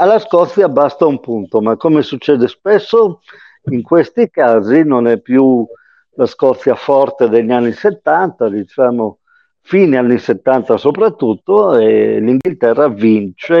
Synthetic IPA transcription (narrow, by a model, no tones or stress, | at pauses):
alːaskɔt̪θjabast̪aumpunt̪omakːomesut͡ʃːɛːd̪espesːo | iŋkwest̪ikaːzinonɛpːju | laskɔt̪θːjafɔrt̪ed̪eʎːanːiset̪ːant̪ad̪it͡ʃaːmo | fiːneanːiset̪ːant̪asopɾat̪ːut̪ːoɛliŋɡilt̪ɛrːavint͡ʃe